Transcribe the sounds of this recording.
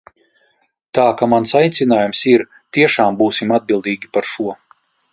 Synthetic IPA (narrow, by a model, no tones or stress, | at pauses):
t̪aːkamansajt̪sinaːjumsiɾ | t̪iɛʃaːmbuːsimad̪̚bilˠd̪iːɡʲipaɾʃuɔ